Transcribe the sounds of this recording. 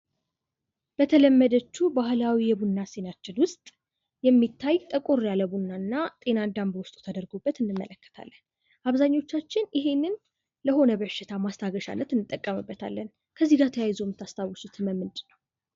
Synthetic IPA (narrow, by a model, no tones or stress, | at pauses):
b̥ət̪ʰələmːəd̪ət͡ʃːubahlawijɛbunːase̞nat͡ʃːɪnwʊst̪ʼ | jɛmːit̪ʰːajt̪ʼəkʼoɾjaləbunːanːat̪ʼe̞nad̪ambəwʊst̪ʼut̪ʰəd̪əɾɡobːət̪ɨnːɨmːə̰ləkːə̥t̪ʰa̰lːən | ʔaβzaɲːo̞t͡ʃːat͡ʃːɪnjɪɦe̞nːɨn | ləɦo̞nəβəʃːɪt̪ʰamast̪ʰaɡəʃa̰nːət̪ɨnːɨt̪ʼːəkʼːəmɨbːət̪ʰa̰lːən | kʰəzːiɡat̪ʰəjajzomɨt̪ʰːast̪ʰawsut̪ʰɨməmːɨnd̪nəw